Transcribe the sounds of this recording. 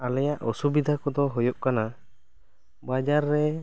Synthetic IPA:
alɛjaʔɔsubid̪ʱakɔd̪ɔɦɔjɔʔkana | bad͡ʒaɾːɛ

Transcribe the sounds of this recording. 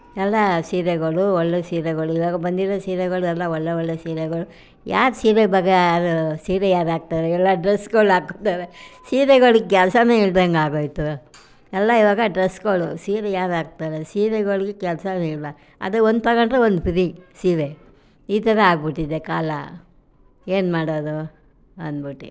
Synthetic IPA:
ɛlːɐsiːɾeɡɐɭuɔɭːesiːɾeɡɐɭuiʋaːɡɐbɐnd̪iɾɐsiːɾeɣɐɭuɛlːɐɔɭːeɔɭːesiːɾeɡɐɭu | jʔa̰ːɾsiːɾebɐɡeːɾusiːɾejaːɾaːɡ̚t̪aːɾeɛlːɐɖɾesɡɐɭaːɡot̪aɾesiːɾeɡɐɭuɡekɛlsɐneiɭd̪ɐŋɡaːɡoːjt̪u | ɛlːɐiʋaːɡɐɖɾesɡoɭusiːɾejaːɾaːɡ̚t̪aːɾesiːɾeɡɐɭɡekɛlsɐniɭda | ɐ̰d̪uond̪t̪ɐɣɐɳʈɾeond̪upiɾisiːɾe | iːt̪ɐɾɐaːɡbiʈːid̪ːekaːlɐ | e̞ːnmaːɽoːd̪u | ɐ̰nbiʈːe

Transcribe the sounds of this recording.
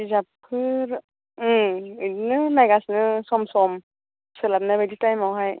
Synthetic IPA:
izapʰɯɾ | idinɯnajɡasnɯsɔmsɔm | sɯlap̚najbaditajmawɦaj

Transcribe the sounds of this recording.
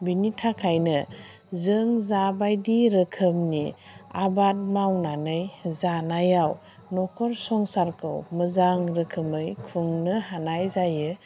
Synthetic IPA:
binitʰakʰajnɯ | zɯŋzabajdiɾɯkʰɯmniabat̚mawnanɯjzanajaw | nɔkʰɔɾsɔŋsaɾkʰɯ̰wməzaŋɾɯkʰɯmɯjkʰuŋnɯhanajzajɯ

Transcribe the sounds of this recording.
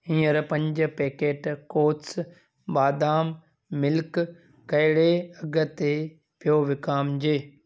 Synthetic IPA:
ĩːəɾpɐ̃ɲd͡ʑʊ̆peːkeːʈkoːts | baːd̪aːm | mɪlk | kːɐɦɪɽeɐɡə̆t̪e | pijoʋɪkaːmd͡ʑeː

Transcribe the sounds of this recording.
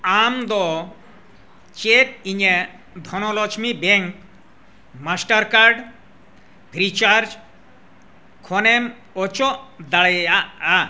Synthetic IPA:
amd̪ɔ | t͡ʃeʈ̚iɲe | d̪ʱɔnɔlɔt͡ʃʰmibeŋk | masʈaɾkaɾɖ | pʰɾit͡ʃaɾd͡ʒ | kʰɔnem | ɔt͡ʃɔd̪aɭeaa

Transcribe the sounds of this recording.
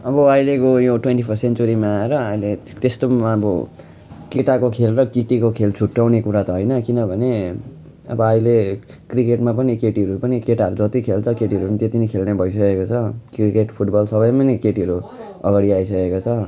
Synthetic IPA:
ʌbʌʌjlekojoʈwenʈipʰʌsent͡soɾimaːeɾʌʌjlet̪est̪omaʌbʌ | keʈakokʰelrʌkiʈikokʰelt͡sʰuʈːawnekuɾat̪ʌɦʌjnʌkinʌbʱʌne | ʌ̰bʌʌjlekrikeʈmap̬ʌnikeʈiɦʌɾupʌnikeʈaɦʌɾud͡zʌt̪ikʰelt͡sʰʌkeʈiʌɾupʌnit̪et̪inikʰelnebʱʌjs̬ʌkekot͡sʰʌkrikeʈpʰuʈbʌlsʌbʌjmʌnikeʈiɦʌɾu | ʌɡaɽiaisʌkekot͡sʰʌ

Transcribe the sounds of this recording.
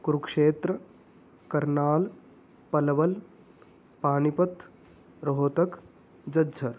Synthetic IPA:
kɾukʂeːt̪ɾə | kɐɾnaːl | pɐlɐʋɐl | paːnipɐt̪ | ɾɐɦoːt̪ɐk | d͡ʒɐd͡ʒʱɐɾ

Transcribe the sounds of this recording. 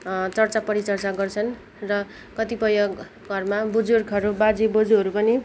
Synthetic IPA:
t͡sʌrt͡sapʌɾit͡sʌrt͡saɡʌrt͡sʰʌn | rʌ | kʌt̪ipʌjʌɡ | ɡʱʌrmabud͡zurkʰʌɾubad͡zibʌd͡zuɦʌɾupʌni

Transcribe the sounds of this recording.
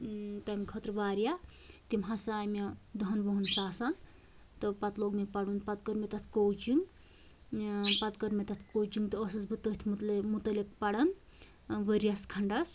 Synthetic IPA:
t̪amkʰɐt̪ɾʋaːɾjat̪imɦãsaːmed̪ɐɦɐnboɦunsaːsɐn | t̪ɔpɐt̪loɡmekpɐɽunpɐt̪kəɾmet̪ɐt̪ʰkowt͡ʃiŋɡ | pɐt̪kəɾmet̪ɐt̪ʰkowt͡ʃiŋɡt̪ːsɐsbɨt̪ət̪ʰmumut̪əlekpɐɽɐn | ʋəɾjaskʰɐɳɖɐs

